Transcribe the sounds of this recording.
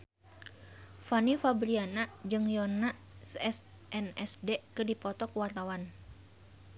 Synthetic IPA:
fanifabɾianad͡ʒɨŋjɔnaʔsɛs | ʔɛnɛsdɛkɨrdipɔt̪ɔkuwart̪awan

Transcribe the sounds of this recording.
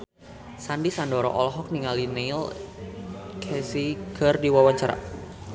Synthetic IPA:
sandisandɔɾɔ̰ʔɔlɦɔk̚niŋalinel | kʰɛsiɡərdiwawaɲt͡ʃaɾa̰

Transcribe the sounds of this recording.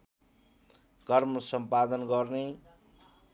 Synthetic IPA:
kʌrmʌsʌmpad̪ʌnɡʌrne

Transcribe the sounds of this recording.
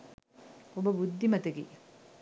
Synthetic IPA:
obɐbud̪ʱːimɐt̪eɡi

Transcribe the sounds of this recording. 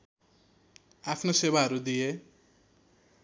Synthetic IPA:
apʰnosebaɦʌɾud̪ije

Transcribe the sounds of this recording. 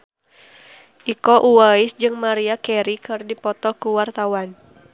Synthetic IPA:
ʔikɔʔuaisd͡ʒɨŋmaɾiakɛɾikɨrdipɔt̪ɔkuwart̪awan

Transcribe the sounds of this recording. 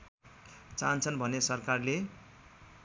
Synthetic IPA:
t͡sant͡sʰʌnbʱʌnesʌrkarle

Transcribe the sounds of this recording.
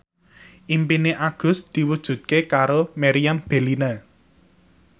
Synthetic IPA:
ʔimpineʔaɡ̥ʊ̤sd̪̥i̤wud̥ʒ̥ṳt̪̚kekaɾomɛɾijamb̥e̤lina

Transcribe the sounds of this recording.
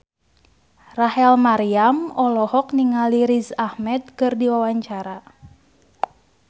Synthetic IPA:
rahɛlmaɾiamɔlɔhɔkniŋaliɾisahmɛd̪̚kɨrdiwawaɲt͡ʃaɾa

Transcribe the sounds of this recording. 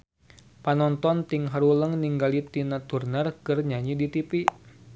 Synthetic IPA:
panɔnt̪ɔnt̪iŋɦaɾuləŋniŋɡalit̪inat̪urnərkərɲaɲidit̪ipi

